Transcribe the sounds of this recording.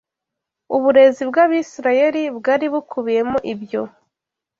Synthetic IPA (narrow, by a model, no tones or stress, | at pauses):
uβuɾe̞zibɡaβisiɾaje̞ɾibɡaːɾiβukʰuβije̞moʔibjo̞